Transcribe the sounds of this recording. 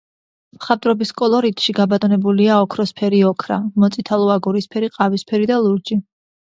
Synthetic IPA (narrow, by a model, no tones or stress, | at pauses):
mχat̪ʼɾɔbiskʼɔlˠɔɾit̪ʰʃiɡabat̪ʼɔnɛbuliaɔkʰɾɔspʰɛɾiɔkʰɾa̰mɔt̪sʼit̪ʰalˠɔaɡuɾispʰɛɾiqʼavispʰɛɾid̪alˠuɾd͡ʒi